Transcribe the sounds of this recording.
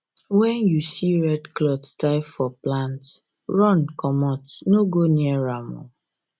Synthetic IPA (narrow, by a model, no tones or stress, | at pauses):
wɛ̃njusiɹɛdklɔttaɪfɔplãnt | ɹɔ̃nkɔmɔtnoɡoniɛɹamɔ̰